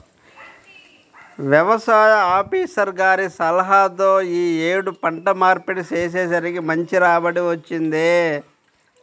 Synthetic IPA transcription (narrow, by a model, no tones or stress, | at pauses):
ʋjɐʋɐsaːjɐaːpiːsɐɾɡaːɾisɐlɐɦat̪̬oːiːeːɽupɐɳʈɐmaːɾpeʈit͡ʃeːs̬eːs̬ɐɾikimɐɲt͡ʃiɾaːbɐʈiʋɐt͡ʃːind̪eː